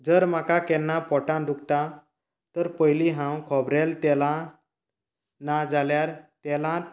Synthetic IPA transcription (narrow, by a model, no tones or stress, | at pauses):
d͡zəɾm̤akakɛnːapɔʈãd̪ukt̪a | t̪əɾpəjliɦãwkʰɔbɾɛlt̪ɛlã | nad͡zaljaɾt̪ɛlã